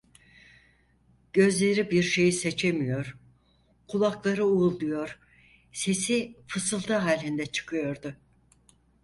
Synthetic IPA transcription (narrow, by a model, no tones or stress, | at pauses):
ɟ̥ø̞zlʲe̞ɾibiɾʃe̞jise̞t͡ʃʰe̞mijo̞ɾ | kʰulˠaklˠaɾɯulˠd̪ujo̞ɾ̥ | se̞sifɯsɯlˠt̪ʰɯɦaːlʲind̪ɛt͡ʃʰɯ̥kʰɯjo̞ɾd̪ʊ